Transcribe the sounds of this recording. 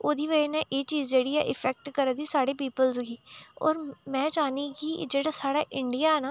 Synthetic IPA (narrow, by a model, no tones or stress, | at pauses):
oːd̪iːʋəinɛ̃ʔeːt͡ʃiːzd͡ʒeːɽiːɛ̰ʔɪfʰɛːk̚ʈkəɾd̪iːsaːɽeːpiːpəlzɡiːɔ̰ːɾmɛ̃ːt͡ʃaːnĩːkid͡ʒeːɽaːsaːɽaːʔɪɳɖijaːɛnaː